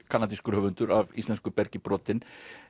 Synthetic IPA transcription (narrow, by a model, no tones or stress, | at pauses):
kʰanat̪̬iskʏɾ̥hœvʏnt̪ʏɾavḭst̪ɛnskʏpɛɾcɪpɾɔːt̪ɪn